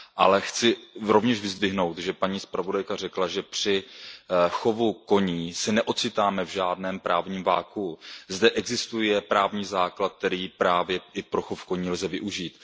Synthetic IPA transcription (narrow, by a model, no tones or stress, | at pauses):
ʔa̰lɛxt͡sɪɾo̞vɲɛʃvɪzdvɪɦno̞wt̪ʒɛpaɲiːspɾavo̞dajkar̝ɛklaʒɛpr̥ɪ | xovuko̞ɲiːsɛnɛʔo̞tt͡sɪt̪aːmɛvʒaːdnɛːmpɾʔaːvɲiːmva̰ːkuzdɛʔɛɡzɪst̪ujɛpɾaːvɲiːzaːklat̪̚t̪ɛɾiːpɾaːvjɛʔɪpɾo̞xofkoɲiːlzɛvɪʔuʒiːt̪